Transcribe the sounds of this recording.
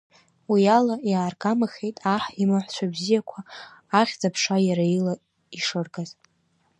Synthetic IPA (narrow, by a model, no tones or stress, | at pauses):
wialajaːrɡamaχʲejtʼaħimaħʷt͡ʃʷʰabzijakʷʰaː | χʲd͡zapʰʂajaɾaila | iʂɨrɡʼaz